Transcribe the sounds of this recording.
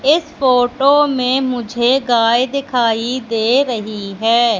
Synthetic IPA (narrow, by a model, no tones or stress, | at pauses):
ɪspʰoːʈoːmẽːmʊd͡ʒʱeːɡaːjd̪ɪkʰaːiːd̪eːɾəɦiːɦɛː